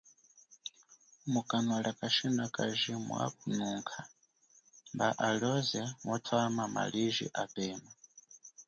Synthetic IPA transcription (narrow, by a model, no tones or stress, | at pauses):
mukʼanɔɺakʼaʃinakʼaʒimṵa̰k̚unuːŋkʰa | mbaʔalɔzɛmɔtʰawamama̰liʒḭʔapʼɛːma